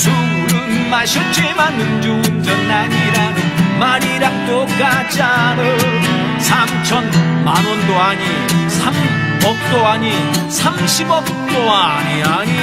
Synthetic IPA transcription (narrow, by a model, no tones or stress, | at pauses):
suɾɯnmaɕʰʌt͡ɕemanːɯnd͡ʑuund͡ʑʌnːaɲiɾanɯnmaɾiɾak̚t̪͈okat͡ɕano | sʰamt͡ɕʰʌnmanwʌndoaɲi | sʰam | ʌk̚t̪͈oaɲi | sʰamɕʰibʌk̚t͈oaɲiaɲi